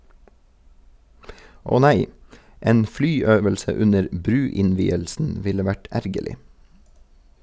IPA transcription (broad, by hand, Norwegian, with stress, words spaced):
ˈoː ˈnæɪ ˈeːn ˈflyːˌøːʋəlsə ˈʉnəɾ ˈbɾʉːɪnˌʋiːəlsn̩ ˈʋɪlə ˈʋæʈ ˈæɾɡəlɪ